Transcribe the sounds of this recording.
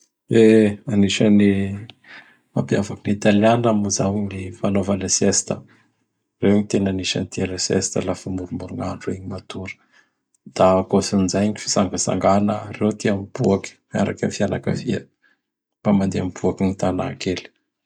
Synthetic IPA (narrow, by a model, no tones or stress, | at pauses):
eaniʃəni | mampjavakinit̪aljanamuzawɲnifanovalasest̪ə | rewɲit̪enaniʃə̰nit̪ialəsḛst̪ə̰lafamuɾumuɾuŋaɳɖ͡ʐueɲimat̪uɾə̥ | d̪̥akosinizajɲifi̥saŋɡasa̰ŋɡanərewt̪iamib̥uakə̥mia̰ɾakʲanifianakə̰fiə | b̥amand̪eamibuakinit̪ana̰keli̥